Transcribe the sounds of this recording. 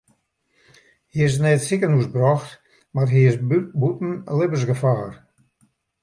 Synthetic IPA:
hiɪs̬nɛːtsikənusbrɔxt | marɦiɪsbutn̩lɪbərsɡəfaːr

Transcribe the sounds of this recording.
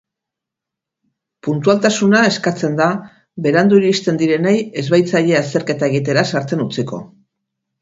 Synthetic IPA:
punt̪ualt̪asunae̞skat͡se̞nd̪a | βe̞ɾand̪uiɾist̪e̞nd̪iɾe̞neje̞zβajt͡saʎe̞ast̪e̞ɾke̞t̪ae̞ɣit̪e̞ɾasaɾt͡se̞nut͡siko̞̰

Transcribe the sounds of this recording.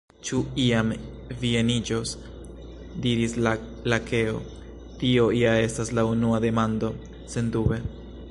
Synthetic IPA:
t͡ʃuiam | vie̞nid͡ʒo̞s | diɾis | lakʰe̞o̞̰ | tio̞iae̞staslaunuade̞mando̞ | se̞ndube̞

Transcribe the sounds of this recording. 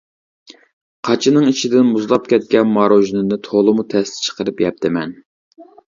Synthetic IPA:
qʰɑt͡ʃʰinɨŋit͡ʃʰid̪ɪnmuzlˠɑpkʲɛt̪̚kʲɛnmɑɾoʒinɨnɨt̪ʰolˠɨmut̪ʰɛst̪ɪ̥t͡ʃʰə̥qəɾɨpjɛp̚t̪ʰɪmɛn

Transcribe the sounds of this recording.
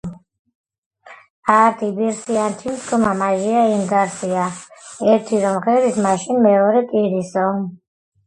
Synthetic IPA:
aɾt̪ʰibiɾsiant̪ʰimskʰʼɔmamaʒiaimɡaɾsiaɛɾt̪ʰiɾɔmχɛɾismaʃinmɛɔɾɛkʼiɾisɔ

